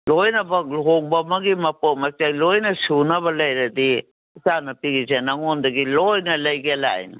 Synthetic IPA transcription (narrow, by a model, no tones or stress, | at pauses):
lojnɐbɐk̚lɦoŋbɐmɐɡimɐpot̚mɐt͡ʃajlojnɐsunɐβɐlɐjɾɐdi | sanɐpiɡizenɐŋondɐɡilojnɐlɐjɡiɐla̰jnɐ